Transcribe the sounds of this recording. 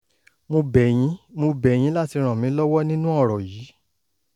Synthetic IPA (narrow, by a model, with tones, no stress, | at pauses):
mõ˧bɛ˨j̃ĩ˨˦mõ˧bɛ˨j̃ĩ˨˦la˦ti˧ɾ̃ã˨mĩ˨˦lɔ˦wɔ˦nĩ˦nũ˦ɔ˦˨ɾɔ˨jiː˨˦